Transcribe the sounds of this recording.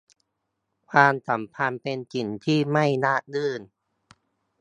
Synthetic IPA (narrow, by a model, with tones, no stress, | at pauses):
kʰwaː˧msa˩˦mpʰa˧npe˧nt͡ɕi˨˩nt̪ʰiː˥˩ma˥˩jnaː˥˩k̚dɯː˥˩n